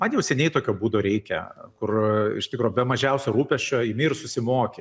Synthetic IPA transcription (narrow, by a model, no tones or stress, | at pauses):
mɐnjɛʊsʲɛnʲɛɪt̪oːkʲoːbuːd̪oːɾʲɛɪkʲɛ̰kʊrɪ̰ʃt̪ʲɪkɾoːbʲɛmɐʒʲɛʊsʲoɾuːpʲɛʃʲt͡ʃʲoːjɪmʲɪrsʊsʲɪmoːkʲe